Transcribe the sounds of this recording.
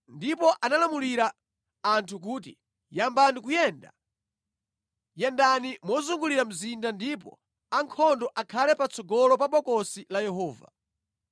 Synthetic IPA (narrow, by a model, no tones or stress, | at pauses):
ndipɔʔanalamuliɾa | antʰuk̬uːtḭ | jambanikujɛnda̰ | jɛndanimɔzuŋɡuliɾam̩zindandipɔ̰ | aŋkʰɔndɔʔakʰalɛpat͡sʰɔɡɔlɔp̬aɓɔkɔsilajɛɦɔːva̰